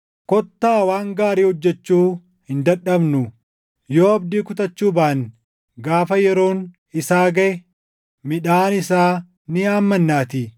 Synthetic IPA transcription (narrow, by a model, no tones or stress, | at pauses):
kɔt̪ːaːwaːŋɡaːɾiːhɔd͡ʒːɛt͡ʃːuː | hɪnd̪ɐᶑɐbnʊ | joːɐb̚d̪iːkʊt̪ɐt͡ʃːuːbaːn | ɡaːfɐjɛɾo̞ːn | ɪsaːɡɐʔɛ | mɪᶑaːnɪsaː | nɪaːmːɐnːaːt̪ɪ